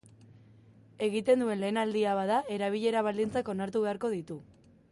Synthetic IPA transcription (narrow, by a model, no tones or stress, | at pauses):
e̞ɣit̪e̞nd̪ue̞nle̞ːnald̪iaβaðae̞ɾaβ̞iʎe̞ɾaβ̞ald̪int͡sako̞naɾt̪uβe̞aɾko̞ð̞it̪u